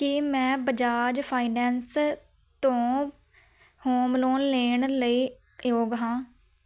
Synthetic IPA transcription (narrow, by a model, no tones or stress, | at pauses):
kɪmɛ̃ːbəd͡ʒaːd͡ʒpʰaːiːnɛːns | t̪õː | hoːmloːnleːɳləiː | joːɡɦãː